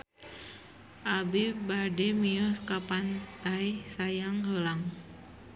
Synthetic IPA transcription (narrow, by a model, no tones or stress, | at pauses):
ʔabibadɛmiɔskapant̪ajsajaŋɦəlaŋ